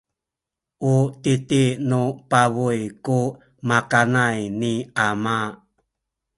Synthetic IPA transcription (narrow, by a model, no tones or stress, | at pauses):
ʔutitinupavujku | makanajniama